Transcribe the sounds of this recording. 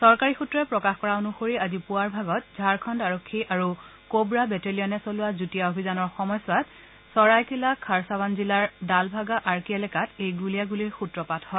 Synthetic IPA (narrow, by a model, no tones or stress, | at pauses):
sɔɹkaɹixutɹɔɛpɹɔkaxkɔɹaonuxoɹiazipʊaɹbʱaɡɔt̚zʱaɹkʰɔndaɹɔkʰːiʔaɹu | kobɹabɛtelijɔnɛsolʊazutijaobʱizanɔɹxɔmɔjswat | sɔɹajkʰilakʰaɹsaβanzilaɹdalbʱaɡaʔaɹkiɛlɛkatejɡulijaɡuliɹxutɹɔpathɔ